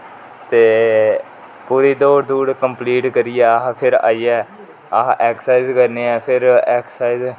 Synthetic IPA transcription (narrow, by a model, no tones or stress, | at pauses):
t̪eː | puːɾiːd̪oːɾd̪uːɽkəmpliːʈkəɾijɛːɦpʰɪɾa̰ːiːɛː | aɦʔɛːksaːiɪzkəɾneːɛːpʰɪɾɛːksaːiz